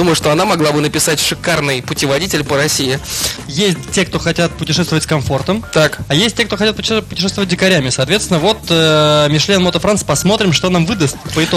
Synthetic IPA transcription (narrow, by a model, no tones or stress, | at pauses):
d̪umʊjʊʂt̪o̞ɐnamɐɡlˠabɨnəpʲɪsatʲʂɨkarnɨjpʊtʲɪvɐdʲitʲɪlʲpəɾɐsʲijɪjesʲtʲtʲekt̪o̞xɐtʲat̪̚pʊtʲɪʂɛst̪vəvətʲskɐmfo̞rt̪əmt̪akɐjesʲt̚ʲtʲek̚t̪o̞xɐtʲat̪̚pʊpʊ̥tʲɪʂɛst̪vəvət̚ʲdʲɪkɐɾʲæmʲɪsɐːt̪vʲet̪st̪ʲɪnəvo̞t̪əmʲɪʂlʲenmot̪əfɾanspɐsmo̞t̪ɾʲɪmʂt̪o̞namvɨd̪əst̪pəɪt̪o